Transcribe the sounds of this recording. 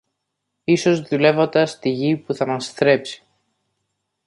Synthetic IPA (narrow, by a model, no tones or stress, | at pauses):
iso̞zðule̞vo̞nd̪ɐst̪iʝipuθɐmɐst̪ɾe̞psi̥